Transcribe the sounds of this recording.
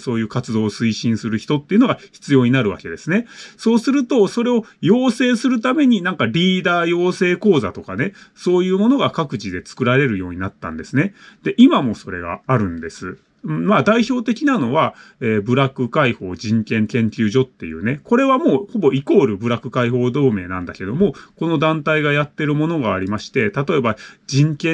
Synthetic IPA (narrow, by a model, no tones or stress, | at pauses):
so̞ːjɯ̟ːkat͡sɨd̪o̞ːsɨiɕĩɰ̃sɨɾɯ̟çi̥t̪o̞t̪ːeiɯ̟noɡaçi̥t͡sɨjo̞ːɲ̟inaɾɯ̟β̞a̰ke̞d̪e̞sɨne̞so̞ːsɨɾɯ̟t̪o̞so̞ɾe̞o̞jo̞ːse̞ːsɨɾɯ̟t̪ame̞ɲ̟inãŋkaɾʲiːd̪aːjo̞ːse̞ːko̞ːza̰t̪o̞kane̞so̞ːjɯ̟ːmo̞no̞ɡakakɯ̟t͡ɕid̪e̞t͡sɨ̥kɯ̟ɾaɾe̞ɾɯ̟jo̞ːɲ̟inat̪ːã̰nd̪e̞sɨne̞d̪̥e̞ʔimamo̞so̞ɾe̞̰ɡa̰ːɾɯ̟̃nd̪e̞sɨ | ɯ̃maːd̪aiço̞ːt̪e̞kʲinano̞βa | eːbɯ̟ɾakɯ̟kaiho̞ːʑĩŋkẽ̞nt̪ẽ̞nt̪ʲɯ̟ːʑo̞t̪ːe̞̰jɯ̰ːne̞ko̞ɾe̞βamo̞ːho̞bo̞iko̞ːɾɯ̟bɯ̟ɾakɯ̟kaiho̞ːd̪o̞ːme̞ːnã̰nd̪ake̞d̪o̞mo̞ko̞no̞d̪ãnt̪aiɡajat̪ːe̞ɾɯ̟mo̞no̞ɡaːɾʲimaɕi̥t̪e̞t̪at̪o̞e̞bad͡ʑĩŋkẽ